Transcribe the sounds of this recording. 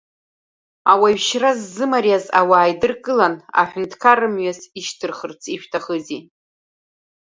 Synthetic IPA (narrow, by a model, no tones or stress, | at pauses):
awaɥʃrazːɨmarjazawaːjdɨrkʼɨlana̰ħᶣʊntʰʼkʰarɨmɥaziʃtʰɨrχərt͡sʰiʃᶣtʰaχəzi